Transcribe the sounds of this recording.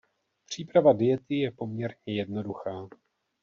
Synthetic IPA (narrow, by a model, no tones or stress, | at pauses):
pr̝̥iːpɾavadɪjɛt̪ɪjɛpo̞mɲɛɾɲɛjɛdno̞duxaː